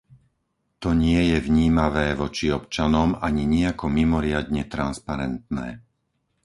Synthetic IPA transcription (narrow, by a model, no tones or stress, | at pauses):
t̪ɔɲɪɛjɛʋɲiːmaʋɛːʋɔt͡ʃiɔpt͡ʃanɔmaɲiɲɛakɔmimɔɾɪad̪ɲɛt̪ɾanspaɾɛnt̪nɛː